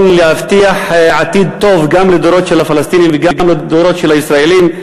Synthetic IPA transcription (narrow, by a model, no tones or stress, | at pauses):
nlehaft̪iaħʕat̪id̪̚t̪o̞vɡamled̪oɾo̞t̪ʃelafalast̪inimveɡaɡamled̪oɾo̞t̪ʃelhaisɾaelim